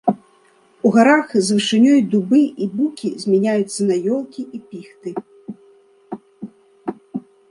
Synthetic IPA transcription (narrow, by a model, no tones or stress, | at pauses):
uɣaɾaxzvɨʂɨnʲɔjd̪ubɨʔibukʲizʲmʲɛnʲajut̪sːɐnajɔlˠkʲiʔipʲixt̪ɨ